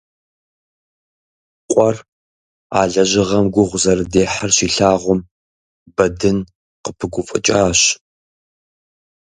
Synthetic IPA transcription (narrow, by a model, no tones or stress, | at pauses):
qʷʼɔr | aːɮɐʑɪʁɐmɡʷʊʁʷʊzɐrɨdeːħarɕiːɬaːʁʷʊm | bɐdɨn | qəpʰɨɡʷʊfʼɨ̰t͡ʃʼaːɕ